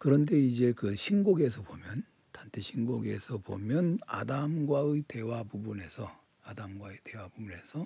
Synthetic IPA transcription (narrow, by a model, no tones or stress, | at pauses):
kɯɾʌnde̞id͡ʑe̞kɯɕʰinɡoɡe̞sʰʌbomjʌn | tantʰeɕʰinɡoɡe̞̰sʰʌbo̰mjʌna̰damɡwaɯite̞wapubune̞sʰʌ | adamɡwaɯte̞wabubune̞sʰʌ